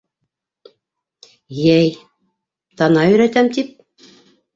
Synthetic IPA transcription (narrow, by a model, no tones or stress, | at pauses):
jæj | t̪ɑnɑjɵ̆ɾæt̪æmt̪ip̚